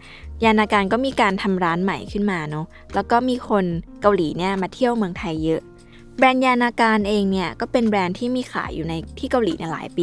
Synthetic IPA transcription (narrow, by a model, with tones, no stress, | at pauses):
jaː˧naː˧kaː˧nkɔː˥˩miː˧kaː˧nt̪ʰa˧mɾaː˦˥nma̰˨˩jkʰɯ˥˩nmaː˧nɔ˦˥ | lɛː˦˥wkɔː˥˩miː˧kʰo˧nka˧wliː˨˩˦ni˥˩ɐmaː˧t̪ʰi˥˩əwmɯ˧əŋt̪ʰa˧jːɤ˦˥ʔ | bɾɛː˧njaː˧naː˧kaː˧nʔeː˧ŋni˥˩ɐkɔː˥˩pe˧nbɾɛː˧nt̪ʰiː˥˩miː˧xʰa̰ː˩˦jːuː˨˩na˧jt̪ʰiː˥˩ka˧wliː˨˦ni˥˩la̰ː˩˦jpiː˧